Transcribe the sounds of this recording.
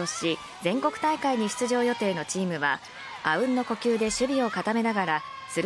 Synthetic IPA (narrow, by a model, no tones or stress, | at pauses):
oɕi | zẽ̞ŋko̞kɯ̟̥t̪aikaiɲ̟iɕi̥t͡sɨʑo̞ːjo̞t̪e̞ːno̞t͡ɕiːmɯ̟βa̰ | aɯ̟̃nːo̞ko̞kʲɨːd̪e̞ɕɨbʲio̞kat̪ame̞naɡaɾa | sɨɾ